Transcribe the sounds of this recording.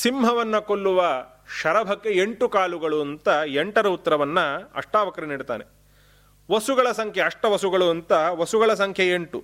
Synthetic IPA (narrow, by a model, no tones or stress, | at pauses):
simɦɐʋɐnːɐkolːuʋɐ | ʃɐɾɐbʱɐkːe̞eɳʈukaːluɡɐɭuɐnt̪ɐeɳʈɐɾɐut̪ːɐɾɐʋɐnːɐɐ̰ʂʈaːʋɐkɐɾɐniːɽit̪a̰ːne | ʋɐsuɡɐɭɐsɐŋkʰjeɐʂʈɐʋɐsuɡɐɭuɐnt̪ɐʋɐsuɡɐɭɐs̬ɐŋkʰjɐeɳʈu